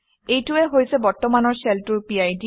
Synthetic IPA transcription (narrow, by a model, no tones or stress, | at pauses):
ejtuɛɦojsɛbɔɹtɔmanɔɹseltuɹpiajdi